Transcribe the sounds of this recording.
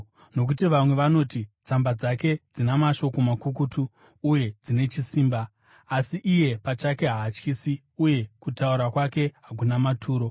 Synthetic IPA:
no̞k̬utiʋamwe̞ʋano̞ːtit͡sambad͡zake̞d͡zinamaʃo̞ko̞makukutuː | je̞d͡zine̞t͡ʃisiːmbaː | siʔije̞pat͡ʃake̞ɦaːt͡ʃkisi | uje̞kutauɾakwake̞ɦak̬unamatʰuːɾo̞

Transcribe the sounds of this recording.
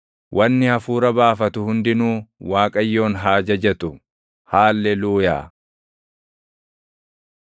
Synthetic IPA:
wʔɐnːɪhɐfuːɾɐbaːfɐt̪ʊhʊnd̪ɪnuːwaːkʼɐjːo̞ːnɦaːd͡ʒɐd͡ʒɛt̪ʊ | haːlːɛluːja̰ː

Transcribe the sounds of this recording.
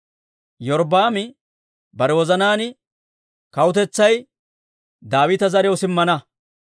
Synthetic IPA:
jɔɾbaːmɪ | bɐɾɛwɔzɐnaːnɪ | kɐwʊt̪̬ɛt͡sːɐj | d̪aːwɪt̪ɐzɐɾɪjɔwsɪmːɐnɐ

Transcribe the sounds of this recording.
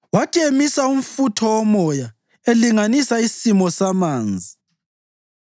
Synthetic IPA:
watʰiemisaum̩futʰɔɔmɔja | eliŋanisaisimɔsamaːnd͡zʱi

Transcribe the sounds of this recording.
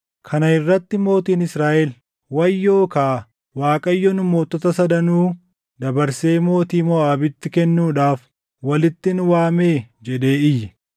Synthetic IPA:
kʰɐnɐɪrːɐt̪ːɪmo̞ːt̪iːnɪsɾaːʔɛl | wɐjːo̞ːkaː | waːkʼɐjːɔnʊmo̞ːt̪ːɔt̪ɐsɐd̪ɐnuː | d̪ɐbɐɾse̞ːmo̞ːt̪iːmɔaːbɪt̪ːɪkɛnːuːᶑaːf | wɐlɪt̪ːɪnʊwaːmeːd͡ʒɛᶑe̞ːɪjːɪ

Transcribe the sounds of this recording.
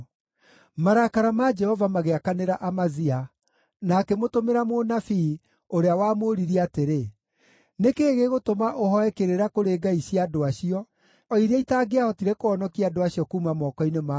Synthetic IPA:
maɾakaɾamad͡ʒɛhɔvamaɣeakaneɾaʔamazia | naːkɛmotomeɾamonafi | oɾeawaːmoɾiɾiateɾe | nekeːɣeɣotomaʔohɔɛkeɾeɾakoɾeːɡaiɕiadoaɕiɔ | ɔiɾaitaːɡeahɔtiɾɛkoɔnɔkiadoaɕiɔkuːmamɔkɔinema

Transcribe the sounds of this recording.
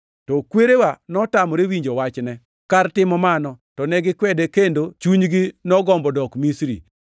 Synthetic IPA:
tɔkweɾewanɔtamɔɾewiɲd͡ʒowat͡ʃnɛ | kartɪmɔmanɔtɔnɛɡɪkwɛdekendot͡ʃuɲɡɪnɔɡɔmbɔdɔkmisɾḭ

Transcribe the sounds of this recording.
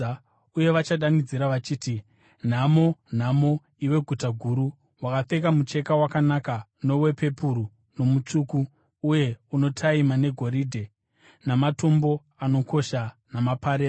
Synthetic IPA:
uje̞ʋat͡ʃaɗanid͡ziɾaʋat͡ʃiːti | n̤amo̞n̤amo̞ | iwe̞ɡʱutaɡʱuɾu | wakafe̞k̬amut͡ʃe̞kawakanakano̞we̞pe̞puɾu | no̞mut͡ʂukuː | je̞uno̞tʰaimane̞ɡʱo̞ɾiːdʱe̞ | namato̞mbo̞ | ano̞ko̞ʃa | namapaɾeː

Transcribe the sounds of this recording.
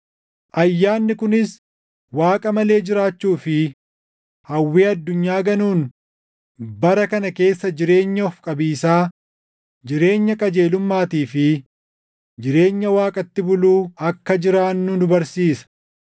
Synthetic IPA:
ʔɐjːaːnːɪkʊnɪs | waːkʼɐmɐle̞ːd͡ʒɪɾaːt͡ʃːuːfɪ | hɐwːeːɐd̪ːʊɲːaːɡɐnuːn | bɐɾɐkɐnɐke̞ːsːɐd͡ʒɪɾe̞ːɲːɐɔfkʼɐbiːsaː | d͡ʒɪɾe̞ːɲːɐkʼɐd͡ʒe̞ːlʊmːaːt̪iːfɪ | d͡ʒɪɾe̞ːɲːɐwaːkʼɐt̪ːɪbʊluːɐkːɐd͡ʒɪɾaːnːudʊbɐɾsiːsɐ̥

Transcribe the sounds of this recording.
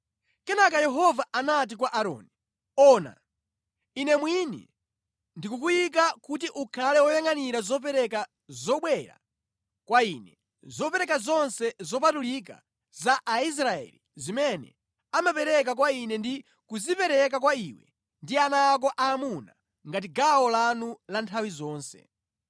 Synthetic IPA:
kɛnakajɛɦɔvaʔanat̬ikwaʔaɾɔ̰ːni | ɔna̰ | inɛmwinḭ | ndikukujik̬akut̬iʔukʰalɛwɔjaŋaniɾazɔp̬ɛɾɛka | zɔɓwɛɾa̰ | kwainɛ | zɔpɛɾɛkazɔnsɛzɔp̬atulik̬a̰ | zaʔais̬ɾaɛ̰lizimɛnɛ̰ | amapɛɾɛk̬akwainɛndi | kuzipɛɾɛkak̬waiwɛ̰ | ndianaːk̬ɔʔaːmuna | ŋɡat̬iɡawɔlanulantʰawizɔːnsɛ̰

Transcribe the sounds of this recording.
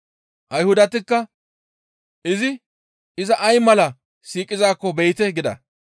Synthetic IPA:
ʔɐjhʊd̪ɐt̪ɪkːɐ | ʔɪzɪ | ɪzɐʔɐjmɐlɐ | siːkʼɪzaːkːɔbɛjt̪ɛɡɪd̪ɐ̰

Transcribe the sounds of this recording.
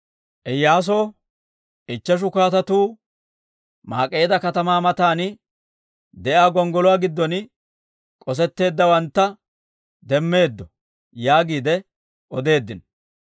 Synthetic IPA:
ʔɛjːaːs̬oː | ʔɪt͡ʃːɛʃ̬ʊkaːt̪ɐt̪uː | ma̰ːkʼːeːd̪ɐkɐt̪ɐmaːmɐt̪aːn | d̪ɛʔaːɡɔŋɡɔlɔwaːɡɪd̪ːɔn | kʼɔs̬ɛt̪ːe̞ːd̪ːɐwɐnt̪ːɐ | d̪ɛmːe̞ːd̪ːɔ | jaːɡiːd̪ɛ | ʔɔd̪e̞ːd̪ːɪn

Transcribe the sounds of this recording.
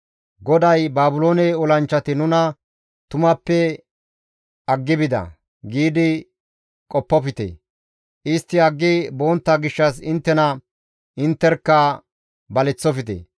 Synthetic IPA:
ɡɔd̪ɐjbaːbʊlo̞ːnɛɔlɐnt͡ʃːɐt̪ɪnʊnɐ | t̪ʊmɐpːɛ | ɐɡːɪbɪd̪ɐ̰ | ɡiːd̪ɪ | kʼɔpːɔfɪt̪ḛ | ʔɪst̪ːɪɐɡːɪbo̞ːnt̪ːɐɡɪʃːɐsɪnt̪ːɛnɐ | ʔɪnt̪ːɛɾkːɐ | bɐlɛt͡sːɔfɪt̪ḛː

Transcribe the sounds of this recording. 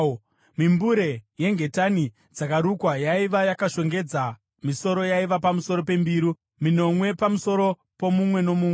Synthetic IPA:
mimbuɾe̞je̞ŋɡe̞tani | d͡zakaɾukwajaiʋajakaʃo̞ŋɡe̞d͡za | miso̞ɾo̞jaiʋapamuso̞ɾo̞pe̞mbiːɾu | mino̞mwe̞pamuso̞ɾo̞ | po̞mumwe̞no̞muːmwe

